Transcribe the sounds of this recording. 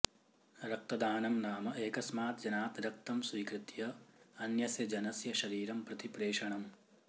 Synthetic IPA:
ɾɐk̚t̪ɐd̪aːnɐmnaːmɐʔeːkɐsmaːt̪d͡ʒɐnaːt̪ɾɐk̚t̪ɐmsʋiːkɾɪt̪jɐɐnjɐsjɐd͡ʒɐnɐsjɐʃɐɾiːɾɐmpɾɐt̪ipɾeːʂɐɳɐm

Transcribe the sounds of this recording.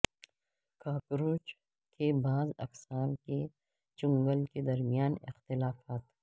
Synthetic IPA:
kaːkɾuːt͡ʃ | kebaːzɐ̰ksaːnke | t͡ʃʊ̃ŋɡəlked̪ɐɾmijaːnɪ̰xt̪ɪlaːfaːt̪

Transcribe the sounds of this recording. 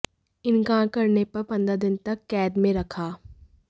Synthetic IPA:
ɪnɡãːkɐɾnepɐɾpɐ̃nd̪ɾad̪ɪnt̪ɐkːɛːd̪mẽɾɐkʰaː

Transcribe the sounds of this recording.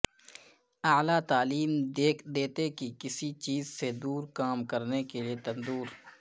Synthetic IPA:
aːlat̪aːliːmd̪eːkʰd̪eːt̪ekikɪsit͡ʃiːzsed̪uːɾkaːmkɐɾnekeliet̪ɐ̃nd̪uːɾ

